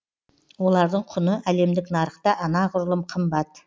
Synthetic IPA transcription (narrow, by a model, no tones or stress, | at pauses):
wo̞lˠɑɾd̪əɴqʰʊnəʔæle̞md̪ɪknɑɾəχt̪ɑʔɑnɑʁʊɾlˠəmqʰəmbɑt̪